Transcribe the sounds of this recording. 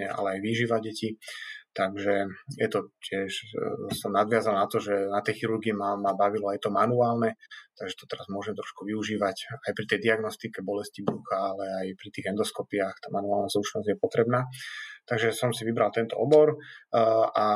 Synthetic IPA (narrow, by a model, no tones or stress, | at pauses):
ɛa̰lɛajʋiʒiʋaɟɛcit̪aɡʒɛjɛt̪ɔcɪɛʃsɔmnad̪ʋɪazalnat̪ɔʒɛnat̪ɛjxiɾuɾɡimamabaʋilɔajt̪ɔmanuaːlnɛt̪aɡʒɛt̪ɔ̥t̪ɛɾazmʊɔʒɛmt̪ɾɔʃkuʋiuʒiːʋacajpɾit̪ɛjd̪iaɡnɔst̪ikɛbɔlɛscibɾuxaːlɛajpɾit̪iːɣɛnd̪ɔskɔpiaxt̪aːmanuaːlnazɾut͡ʃnɔzɟjɛpɔt̪ɾɛbnaːt̪aɡʒɛsɔmsiʋibɾalt̪ɛnt̪ɔ̰ɔbɔɾ | a